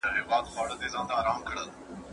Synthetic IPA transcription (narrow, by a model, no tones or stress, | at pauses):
aɦeːʋaːt̪faːɽəd̪eːzãːnd̪aːɾaːmkʰəɽəl